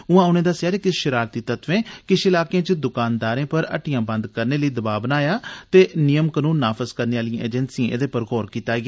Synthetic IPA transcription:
ʊãːʊːneːd̪aːsjaːɾeːkɪʃəɾaːɾt̪iːt̪ət̪ʋẽːkɪʃɪlaːkjãːt͡ʃəd̪ʊkaːnd̪aːɾẽːpəɾə̰ʈɪjãːbə̃nd̪kəɾneːləiːd̪əbaːbnaːjaːt̪eːnɪjəmkənũːnːaːpʰəzkəɾneːaːlijãːʔḛːd͡ʒənsiãːʔḛd̪eːpəɾɡoːɾkiːt̪aːɡeː

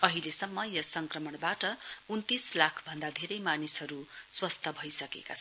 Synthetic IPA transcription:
ʌɦilesʌmːʌjʌsʌŋkrʌmʌɳbaʈʌunt̪islakʰbʱʌnd̪ad̪ʱeɾʌjmanisɦʌɾuswʌst̪ʰʌbʱʌjsʌkḛkat͡sʰ

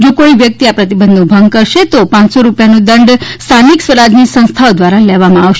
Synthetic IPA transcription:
d͡ʒokoiʋjək̚t̪iapɾət̪ibənd̪ʱũbʱəŋɡ̚kəɾʃet̪opãsoɾupjanũd̪əɳɖst̪ʰaniksʋəɾad͡ʒnisə̃st̪ʰaod̪ʋaɾalɛʋamãaʋʃ

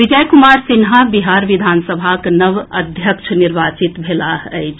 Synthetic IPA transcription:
ʋid͡ʒəjkumaːɾsinɦabiɦaːɾʋid̪ʱaːnsəbʱaknəʋɐd̪ʱjəkʃʰniɾʋaːt͡ʃit̪bʱelaəjt͡ʃ

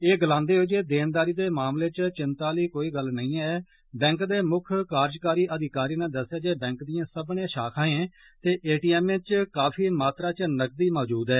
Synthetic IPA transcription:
eːɡlãːnd̪eːɦoeːd͡ʒeːd̪eːnd̪aːɾiːd̪eːmaːmleːt͡ʃt͡ʃɪnt̪aːliːkoːiːɡəlnəĩːɛː | bɛ̃ːŋkd̪eːmʊkʰkaːɾd͡ʒkaːɾiːʔəd̪ɪkaːɾiːnad̪əsːjaːd͡ʒeːbɛ̃ːŋkd̪ijãːsəbnẽːʃaːkʰãːẽː | t̪eːʔeːʈiːɛːmẽt͡ʃkaːpʰiːmaːt̪ɾaːt͡ʃnək̚d̪iːmɔːd͡ʒuːd̪ɛː

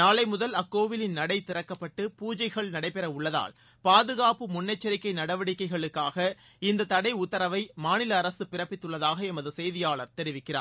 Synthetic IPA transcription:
naːlɐɪmʊðɐlɐkːoːʋɪlɪnnɐɽɐɪt̪ɪɾɐkːɐpːɐʈːɯpuːd͡ʒɐɪɣɐɭnɐɽɐɪpɛɾɐʊɭːɐða̰ːl | paːðɯɣaːpɯmʊnːɐɪt͡ʃːɐɾɪkːɐɪnɐɽɐʋɐɽɪkːɐɪɣɐɭɯkːaːɣɐ | ɪnd̪ɐt̪ɐɽɐɪʊt̪ːɐɾɐʋɐɪmaːnɪlɐːɾɐsɯpɪrɐpːɪt̪ːɯɭːɐðaːɣɐɛmɐðɯsɛjðɪjaːɭɐɾt̪ɛɾɪʋɪkːɪra̰ːɾ

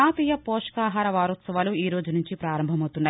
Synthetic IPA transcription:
aːpiːjɐpoːʂɐ̥kaːɦaːɾɐʋaːɾɔt̪sɐʋaːluiːɾoːd͡ʒunuɲt͡ʃipɾaːɾɐmbʱɐmɐwt̪unːaː

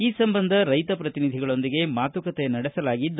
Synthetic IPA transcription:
iːsɐmbɐnd̪ʱɐɾɐjt̪ɐpɾɐt̪inid̪ʱiɡɐɭo̞nd̪iɡe̞maːt̪ʋɐkɐt̪enɐɽɛsɐlaːɡid̪ːu

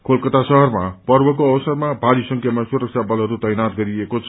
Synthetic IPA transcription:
kʰolkʌt̪asʌɦʌrmapʌrbʌk̬oʌbʌsʌrmabʱaɾisʌŋkʰjamasuɾʌk̚t͡sʰabʌlɦʌɾut̪ʌjnat̪ɡʌɾiekot͡sʰʌ

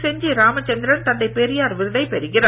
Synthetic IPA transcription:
sɛɲd͡ʒiɾaːmɐt͡ʃːɐnd̪ɪɾɐnt̪ɐnd̪ɐɪpeːɾɪjaːɾʋɪɾɯðɐɪpɛɾɯɣɪrɐ

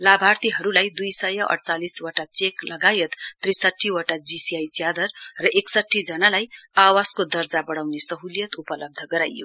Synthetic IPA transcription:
labʱart̪iɦʌɾulajd̪ujsʌjʌʔʌ̰ɽt͡saliswʌʈat͡seklʌɡajet̪ːrisʌʈʰːiwʌʈad͡zisiajt͡sjad̪ʌrrʌʔeksʌʈʰːid͡zʌnalajawaskod̪ʌrd͡zabʌɽawnesʌɦulijʌt̪upʌlʌb̚d̪ʱʌɡʌɾajo̰

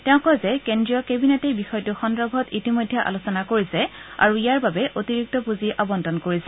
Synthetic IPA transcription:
tɛʊ̃kɔzɛkendɹijɔkebinetejbixɔjɔtuxɔndɹɔbʱɔtitimojdʱːɛʔa̰lusɔnakoɹisɛa̰ɹuijaɹbabɛʔotiɹik̚tɔpuziʔabɔndɔnkoɹisɛ

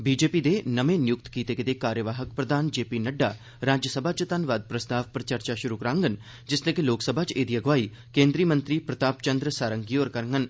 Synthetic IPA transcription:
biːd͡ʒeːpid̪enɐmẽnjʊkt̪kiːt̪eked̪ekaːɾjəʋaːɦəkpɾɐd̪aːnd͡ʒeːpinɐɖːaː | ɾaːd͡ʒjəsɐbʱaːt͡ʃət̪ɐnʋaːd̪̚pɾɐst̪aːʋpɐɾt͡ʃɐɾt͡ʃaʃʊɾukɐɾãːŋɡən | d͡ʒɪsleːkeloːksəbʱaːt͡ʃeːd̪iɐɡʋaːi | kẽːnd̪ɾiːmɐnt̪ɾiːpɾɐt̪aːpt͡ʃɐnd̪ɾəsaːɾəŋɡioːɾkɐɾŋɡən

